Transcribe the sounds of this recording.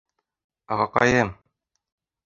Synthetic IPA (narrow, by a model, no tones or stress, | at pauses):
ɒʁɑqɑ̰jɤm